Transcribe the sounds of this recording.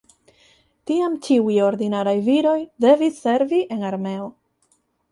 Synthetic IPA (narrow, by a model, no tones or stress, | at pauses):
tiamt͡ʃiujo̞ɾdinaɾajviɾo̞jde̞visːe̞ɾviʔe̞naɾme̞o̞